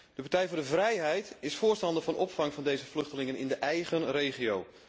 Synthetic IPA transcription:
d̥əpaɹtɛjvʊːɹdəvrɛjɦɛjtɪsfʊːɹstɑndəvɑnʔɔpfɑŋvɑndejzəflɵxtəlɪŋənɪndəʔɛjɣənrejχiow

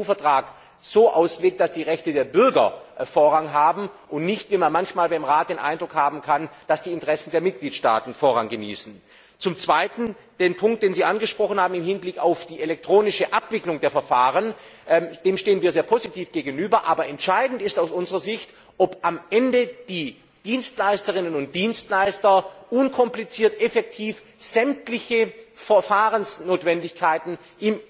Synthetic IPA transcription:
uːfɛɐtʁ̥aːk | z̥oːʔa̰ʊsleːk̚t̚d̥asd̥iːʁɛçtədeːɐbʏɐɡɐ̰foːɐʁaŋɦaːbm̩ʔʊntnɪçtv̥iːmanmançmaːlbaɪmʁaːt̚d̥eːnʔa̰ɪndʁʊkhaːbm̩kʰand̥asd̥iːɪntəʁɛsn̩deːɐmɪt̚ɡ̥liːtʃta̰ːtn̩foːɐʁaŋɡənḭːsn̩ | t͡sʊmt͡sv̥aɪtn̩ | d̥eːnpʰʊŋktd̥eːnziːʔanɡəʃpʁ̥ɔχn̩haːbm̩ɪmhɪnblɪkaʊfd̥iːʔelɛk̚tʁ̥oːnɪʃəʔapv̥ɪklʊŋdeːɐfɛɐfaːʁ̞ən | ʔɛd̥eːmʃteːənviːɐzeːɐpʰozitʰiːfɡ̥eːɡn̩yːbɐʔaːbɐʔɛntʃaɪdn̩tɪstaʊsʔʊnzəʁɐzɪçt | ʔɔpʔamʔɛndəd̥iː | d̥iːnstlaɪstəʁɪnənʊnt̚d̥iːnstlaɪstɐʔʊnkʰɔmplit͡siːɐtʔɛfɛk̚tʰiːf | z̥ɛmtlɪçəfɛɐfaːʁənsnoːtv̥ɛndɪçkʰaɪtn̩ | ʔɪm

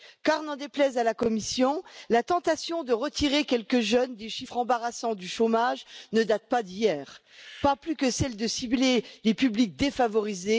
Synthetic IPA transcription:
kaʁnɑ̃d̪eplɛzalakɔmisjɔ̃lat̪ɑ̃t̪asjɔ̃d̪əʁət̪iʁekʲɛlkəʒœnd̪eʃifχɑ̃baʁasɑ̃d̪yʃomaʒnəd̪at̪̚pad̪ijɛːʁ | paplykəsɛld̪əsiblelepyblik̚d̪efavɔʁize

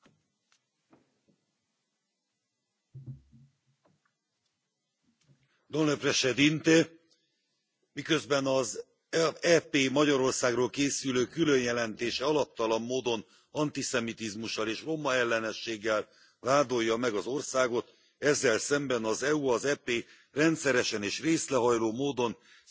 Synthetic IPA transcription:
d̪onløprɛʃɛd̪int̪e | mikø̞zbɛnɒz | ɛpeːmɒɟɒɾo̞rsaːɡroːlkeːsyløːkylø̞njɛlɛnt̪eːʃɛɒlɒp̚t̪ɒlɒmːoːd̪o̞n | ɒnt̪isɛmit̪izmuʃːɒleːʃro̞mɒɛlːɛnɛʃːeːɡːɛl | vaːd̪o̞jːɒmɛɡɒzo̞rsaːɡo̞t̪ | ɛzːɛlsɛmbɛnɒzɛuɒzɛpeː | rɛnt̪sɛɾɛʃɛneːʃreːslɛɦɒjloːmoːd̪o̞n

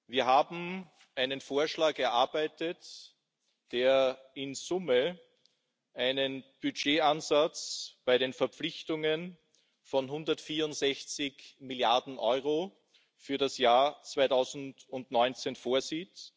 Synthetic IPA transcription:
viːɐhaːbm̩ | ʔaɪnənfoːɐʃlaːkɛɐʔaɐbæɪtət | d̥eːɐɪnzʊmə | ʔaɪnənb̥yd͡ʒeːanzat͡sb̥aɪɾeːnfɛɐp͡flɪçtʊŋən | fɔnɦʊndɐtfiːɐʊntz̥ɛçt͡sɪçmɪljaɐdn̩ʔɔʏʁo | fyːɐɾasjaːɐt͡sv̥aɪtʰaʊzn̩dʊntnɔʏnt͡senfoːɐziːt

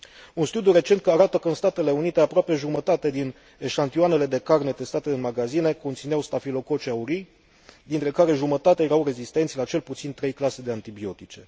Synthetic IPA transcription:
unst̪ud̪juɾe̞t͡ʃe̞nt̪̚kəaɾat̪əkəɨnst̪at̪e̞le̞unit̪e̞apɾoape̞ʒumət̪at̪e̞d̪in | eʃant̪ioane̞le̞d̪e̞karne̞t̪e̞st̪at̪e̞ɨnmaɡazine̞ko̞nt̪sineawst̪afilo̞ko̞t͡ʃeauɾi | d̪int̪ɾe̞kaɾe̞ʒumət̪at̪eajeɾawre̞zist̪e̞nt̪sʲlat͡ʃe̞lput̪sint̪ɾe̞jklased̪e̞ant̪ibio̞t̪it͡ʃe̞

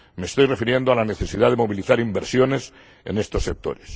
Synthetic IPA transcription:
me̞ːst̪o̞jre̞fiɾje̞nd̪oalane̞θe̞siðaðe̞mo̞βiliθaɾimbeɾsjo̞ne̞s | ḛne̞st̪o̞sːe̞k̚t̪o̞̰ɾes

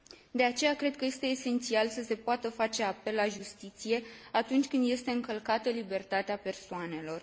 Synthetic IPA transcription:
d̪e̞at͡ʃe̞jakɾe̞d̪̚kəje̞st̪e̞ːse̞nt̪sialsəse̞poat̪əfat͡ʃe̞ape̞lːaʒust̪it̪sije̞at̪unt͡ʃʲkɨnd̪je̞st̪e̞ɨŋkəlkat̪əlibe̞rt̪at̪eape̞rsoane̞lo̞r

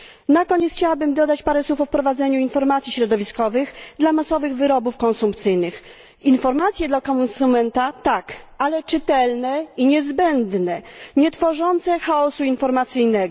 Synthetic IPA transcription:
nakɔɲɛt̪xt͡ɕawabɘmd̪ɔd̪at͡ɕpaɾɛswufɔfpɾɔvad̪zɛɲuinfɔɾmat̪sʲiɕɾɔd̪ɔvʲiskɔvɘɣd̪lamasɔvɘɣvɘɾɔbufkɔnsumpt̪sɘjnɘx | infɔɾmat̪sʲjɛd̪lakɔnsumɛnt̪at̪akalɛt͡ʂɘt̪ɛlnɛiɲɛzbɛnd̪nɛɲɛt̪fɔʐɔnt̪sɛxaɔsuinfɔɾmat̪sɘjnɛɡɔ

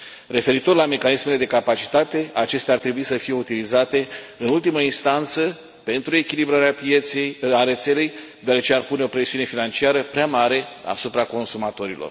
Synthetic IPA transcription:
re̞fe̞ɾit̪o̞rlame̞kanismele̞d̪e̞kapat͡ʃi̥t̪at̪e̞at͡ʃe̞st̪eaːrt̪ɾebuisəfije̞ut̪ilizat̪e̞ɨnult̪iməinst̪ant̪sə | pe̞nt̪ɾue̞kʲilibɾaɾeapeaɾe̞t̪se̞le̞jd̪oaɾet͡ʃe̞arpune̞o̞pɾe̞siune̞finant͡ʃiaɾəpɾeamaɾe̞a̰supɾako̞nsumat̪o̞ɾilo̞̰r

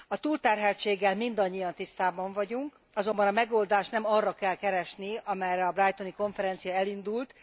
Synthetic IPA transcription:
ɒt̪uːlt̪ɛrɦɛlt͡ʃeːɡːɛlmind̪ɒɲːijɒnt̪ist̪aːbɒɱvɒɟuŋk | ɒzo̞mbɒnɒmɛɡo̞ld̪aːʃt̪nɛmɒrːɒkɛlkɛɾɛʃniɒmɛjrɛɒbrajt̪o̞niko̞ɱfɛɾɛnt̪sijɒɛlind̪ult̪

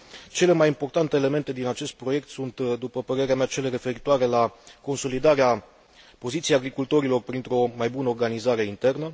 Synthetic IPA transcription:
t͡ʃe̞le̞majimpo̞rt̪ant̪e̞ːle̞me̞nt̪e̞d̪inat͡ʃe̞st̪̚pɾo̞je̞kt̪sunt̪d̪upəpəɾe̞ɾeameat͡ʃe̞le̞ɾe̞fe̞ɾit̪oaɾe̞lako̞nso̞lid̪aɾea | po̞zit̪siejaɡɾikult̪o̞ɾilo̞rpɾint̪ɾo̞majbunəorɡanizaɾe̞int̪e̞rnə

